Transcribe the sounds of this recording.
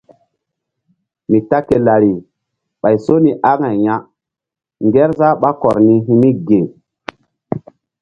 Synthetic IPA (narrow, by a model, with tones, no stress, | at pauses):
mi˨ta˦ke˨la˨ɾi˨ | ɓa˨jso˦ni˨ʔa˦ŋa˨jja˦ | ŋɡɛ˦ɾza˦ɓa˦kɔ˨ɾni˦ɦi˦mi˦ɡe˨